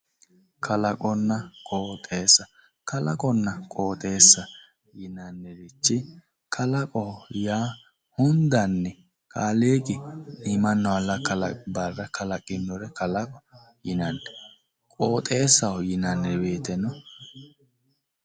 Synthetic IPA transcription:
kʰɐlɐkʼɔnːɐkʼoːt̪ʼeːsɐ | kɐlɐkʼɔnːɐkʼo̞ːt̪ʼe̞ːsːɐ | jɪnɐnːɛɾɪt͡ʃːɪ | kʰɐlɐkʼɔjaː | hʊnd̪ɐnːɛ | kʰaːleːɡɪɪmɐnːɔwɐlɐkɐlɐbɐrːɐkʰɐlɐkʼɪnːɔɾɛkɐlɐkʼɔ̥ | jɪnɐnːɛ | kʼoːt̪ʼe̞ːsɐɔjɪnɐnːɛbe̞ːt̪ɛnɔ

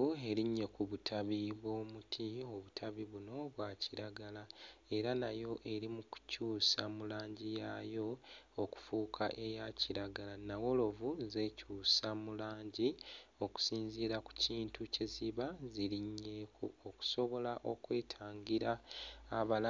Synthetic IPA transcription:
ue̞ɾiɲːe̞kuβutʰaβiβwo̞ːmutʰio̞βutʰaβiβuno̞βwacʰiɾaɡalae̞ɾanajo̞ʔe̞ɾimuku̥cuːsamulaːɲɟija̰jo̞oku̥fuːkʰaʔe̞jaciɾaɡalanawo̞lo̞vuze̞ːcuːsamulaːɲɟio̞ku̥siːnziɾaku̥ciːntʰuceziβaziɾiɲːe̞kʰṵoku̥so̞βo̞laʔo̞kwe̞ːtʰaːŋɡiɾaː | βala

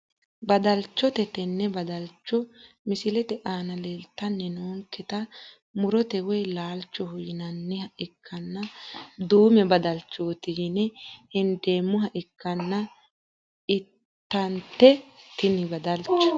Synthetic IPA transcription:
bɐd̪ɐlt͡ʃːɔt̪ɛt̪ɛnːɛbɐd̪ɐlt͡ʃːɔ | mɪsɪlɛt̪ɛʔaːnɐleːlt̪ːɐnːɛnoːŋkːɛt̪ɐ | mʊɾɔt̪ɛwɛjlaːlt͡ʃːɔhʊjɪnɐnːɛhɐʔɪkʰːɐnːɐd̪uːmɛbɐd̪ɐlt͡ʃːoːt̪ɪɡɪnɛhɪnd̪e̞ːmːʊɦɐʔɪkːɐnːɐ | ʔɪtt̪ːɐnt̪ːɛt̪ɪnɪbɐd̪ɐlt͡ʃːɔ̥

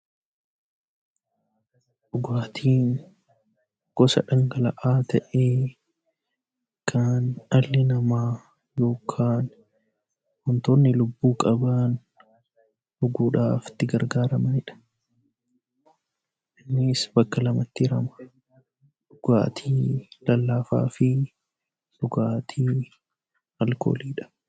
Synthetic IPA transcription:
ᶑʊɡaːt̪ʰiːn | ɡ̥ɔsɐ̰ᶑɐŋɡɐlɐ̰ʔaːt̪ʰɐʔeː | kʰaːnɐlːɪnɐmaː | jo̞ːkʰaːn | hɔnt̪onːɪlʊbːuːkʼɐbaːn | ʔʊɡuːᶑaːft̪ːɪɡɐɾɡaːɾɐmɐnɪᶑɐ̥ | ʔɪnːɪsbɐkːɐlɐmɐt̪ːɪɪɾɐmɐ̥ | ᶑʊɡ̥a̰ːt̪ʰiːlɐlːaːfa̰ːfɪ | ᶑʊɡaːt̪ʰiː | hɐlko̰ːliːᶑɐ̥

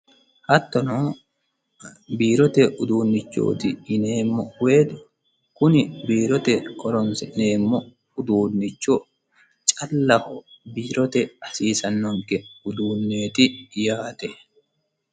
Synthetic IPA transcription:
hɐt̪ːɔnɔ | biːɾɔt̪ɛʔʊd̪uːnːɪt͡ʃːo̰ːt̪ɪɪne̞ːmːɔwe̞ːd̪ʊ | kʊnɪbiːɾɔt̪ɛkʼɔɾɔnsɛʔneːmːɔ | ʊd̪uːnːɪt͡ʃːɔ | t͡ʃʼɐlːɐhɔbiːɾɔt̪ɛɐsiːsɐnːɔŋkɛʊd̪uːnːe̞ːt̪ɪjaːt̪ɛ

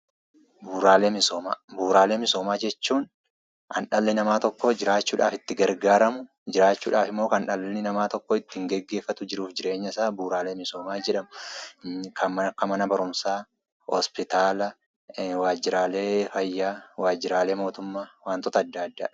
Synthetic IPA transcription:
buːɾaːle̞ːmɪsoːma̰ːbuːɾaːleːmɪso̞ːmaːd͡ʒɛt͡ʃːuːn | ʔɐnᶑɐlːɪnɐmaːt̪ɔkːɔd͡ʒɪɾaːt͡ʃːuːᶑaːfɪt̪ːɪɡɐɾɡaːɾɐmʊ | d͡ʒɪɾaːt͡ʃːuːᶑaːfɪmːoːkɐnᶑɐlːɪnɪnɐmaːt̪ɔkːɔɪt̪ːɪɪŋɡɛɡːe̞ːfːɐt̪ʊd͡ʒɪɾuːfd͡ʒɪɾʔe̞ːɲːɐɪsaːbuːɾaːle̞ːmɪso̞ːmaːd͡ʒɛᶑɐmʊ | kʰɐkːɐmɐnɐbɐɾʊmsaː | hɔ̰spɪt̪aːlɐ | waːd͡ʒːɪɾaːle̞ːfɐjːaːwaːd͡ʒːɪɾaːle̞ːmo̞ːt̪ʊmːaːwaːnt̪ɔt̪ɐɐd̪ːaːɐd̪ːa̰ː

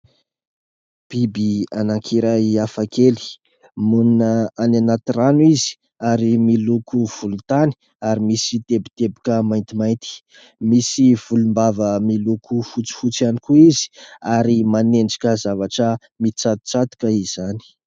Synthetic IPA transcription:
b̥ibianaŋkʰiɾajiafakʰeli̥ | muninəananat̪iranuizi̥ | aɾimilukuv̥ulut̪ani̥ | aɾimisit̪ebit̪ebikəmajnt̪imajnt̪i̥ | misiv̥ulumbavəmilukʰufut͡si̥fut͡sianikuizi̥aɾimaneɳɖ͡ʐi̥kʲəzavaʈ͡ʂə | mit͡sat̪u̥t͡sat̪u̥kəiz̥ani̥

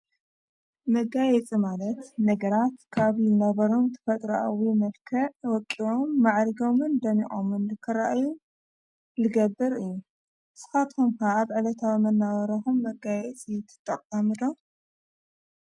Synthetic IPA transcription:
mɐɡajɛt͡sʼimalɐt̪nɐɡɐɾat̪kʰaβɪlnɐβɐɾo̞mt̪ʰɨ̥fɐt̪ʼɾaʔawimɐlkʰɐʕwɔkʼːio̞mːaʕɾɡo̞mɨnd̪ɐmiʔʼo̰mɨnɨkʰɨɾa̰ʔju | lɨɡɐbːɨɾɨjːu | sɨ̥xat̪xomkaːβʕɨlɐt̪ʰawimɐnːaβɐɾɐxumːɐɡajɛt͡sʼit̪ʰɨ̥t̪ʼːɐqʼːɐmɨd̪om

